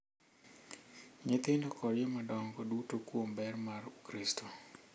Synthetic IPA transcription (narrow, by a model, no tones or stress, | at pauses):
ɲet̪ɪndɔkɔɾjemadɔŋɡodutokwombɛrmaɾukɾistʰo